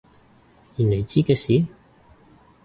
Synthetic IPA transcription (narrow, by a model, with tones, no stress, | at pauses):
ji˨˩nle˨˩jt͡siː˥kɛː˧siː˨˥˦